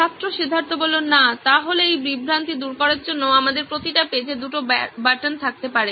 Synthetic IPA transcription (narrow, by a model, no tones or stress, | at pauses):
ʃast̪ːɾoʃid̪ʱːaɾt̪obolonnat̪aɦoleejbɾibʱɾant̪id̪uɾkɔɾaɾd͡ʑonːoamad̪eɾpɾot̪iʈaped͡ʑed̪uʈobaʈant̪ʰak̚t̪epaɾe